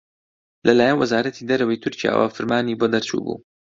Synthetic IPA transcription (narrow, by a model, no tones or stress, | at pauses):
lɐlaːjɐnwɐzaːɾɐt̪ʰiːd̪ɐɾɐwejt̪ʰʊɾcija̰ːwa̰fɨɾmaːniːboːd̪ɐɾt͡ʃṵːbṵː